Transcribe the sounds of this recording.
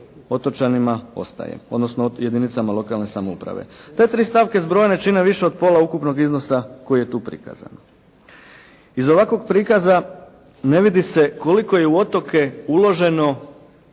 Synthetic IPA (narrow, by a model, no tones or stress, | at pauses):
o̞t̪o̞t͡ʃanimao̞̰st̪a̰jḛmo̞d̪no̞snoje̞d̪init̪samalo̞kalˠne̞samoupɾa̰ʋe̞̰t̪e̞t̪ɾiːst̪aʋkezbɾo̞jene̞t͡ʃine̞ʋiʃeo̞d̪̚po̞laukupno̞ɡizno̞sako̞jije̞t̪uːpɾḭka̰za̰n | izo̞ʋakʋo̞ɡpɾikaza | ne̞ʋid̪ise̞ko̞liko̞je̞uo̞t̪o̞ke̞ulˠo̞ʒe̞no̞